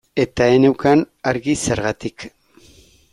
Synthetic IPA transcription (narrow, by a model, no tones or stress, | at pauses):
e̞t̪aene̞wkan | aɾɣise̞ɾɣat̪ik